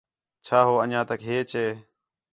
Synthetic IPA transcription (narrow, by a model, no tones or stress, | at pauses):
t͡ʃʰaːɦoːənãːt̪əkɦeːt͡ʃeː